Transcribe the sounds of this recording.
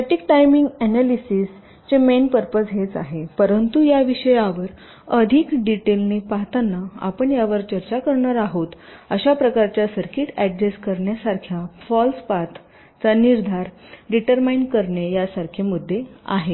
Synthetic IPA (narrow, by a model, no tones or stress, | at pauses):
əʈik̚ʈajmiŋɡɛnalisiːs | t͡ɕemenpəɾpəsɦet͡sa̰ɦepəɾənt̪ujaʋiɕəjaʋəɾ | əd̪ʱiːkɖiʈelnepaɦt̪anːaa̰pəɳjaʋəɾt͡ɕəɾt͡ɕakəɾɳəɾaɦoːt̪əɕapɾəkaɾt͡ɕjasəɾkʰiːʈɛɖɾeskəɾɳjasaɾkʰjafɔlspat̪ʰ | t͡saniɾd̪ʱaɾɖiʈəɾmainɖkəɾɳejasaɾkʰemud̪ʱːea̰ɦe